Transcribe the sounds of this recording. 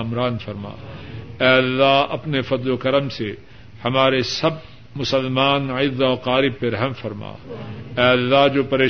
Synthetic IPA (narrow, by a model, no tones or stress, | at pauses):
mɾaːnfɐɾma̰ːɛːɐlːaɐpnefɐd̪lokɐɾəmse | hɐmaːɾesɐb | mʊsəlmaːnɪd̪ɔːqaːɾɪb̚ːeɾɐɦmfɐɾma̰ːɛːɐlːaɦd͡ʒoːpɐɾeː